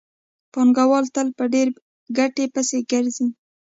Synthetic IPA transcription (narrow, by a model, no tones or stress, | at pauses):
pɑŋɡawɑlt̪əlpəɖeɾ | ɡaʈepəseɡəɾzi